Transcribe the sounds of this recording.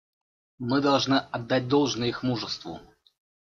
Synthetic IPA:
mɨd̪ɐlˠʐnɨʔɐd̪ːat̚ʲd̪olˠʐnəixmuʐəst̪vʊ̰

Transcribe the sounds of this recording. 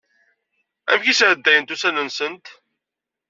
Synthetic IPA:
æ̰mçisʕəd̪ːæjənt̪usænənsənt̪

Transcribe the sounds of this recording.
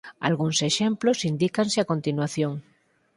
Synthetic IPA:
a̰lɣunseʃẽmplosind̪ikanseakõnt̪inwaθjõŋ

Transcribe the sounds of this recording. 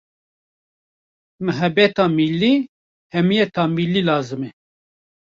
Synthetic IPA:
mɨɦɛbɛt̪ɑːmilːi | hɛmijɛt̪ʰɑːmilːiːlɑːzɨmɛ

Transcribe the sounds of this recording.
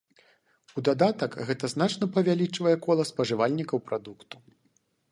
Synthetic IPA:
ud̪ad̪at̪ɐkɣɛt̪ɐznat͡ʂnɐpɐvʲalʲit͡ʂvɐjɛkɔlˠɐspɐʐɨvalʲnʲikɐwpɾad̪ukt̪u̥

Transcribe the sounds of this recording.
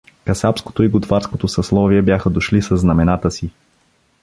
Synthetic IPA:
kɐsapsko̥t̪oiɡʊt̪vaɾskot̪osɐslˠɔviɛbjaxəd̪oʃlisəznɐmɛnat̪əsi

